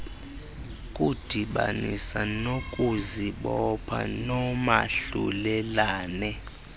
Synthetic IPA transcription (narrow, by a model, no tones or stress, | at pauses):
kʼud̥ʱiɓanisanokʼuziɓɔpʰa̰nɔmaɬṵlɛlaːnɛ